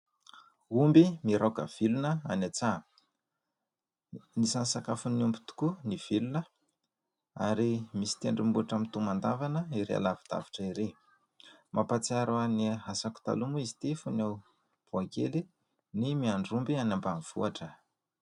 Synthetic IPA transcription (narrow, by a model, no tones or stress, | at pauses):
umbimiɾakə̰v̥ilunəa̰nat͡sa | nisansakafuniumbit̪u̥kuniv̥ilunə | aɾimisi̥t̪eɳɖ͡ʐimbuaʈ͡ʂamit̪umand̪avanəiɾḛa̰lavi̥d̪̥a̰vi̥ʈ͡ʂəiɾe | mapat͡siaɾaaniɦasaku̥t̪a̰lumuizi̥t̪ifuna | b̥uakḛli | nimiaɳɖ͡ʐumbianambamiv̥ṵaʈ͡ʂə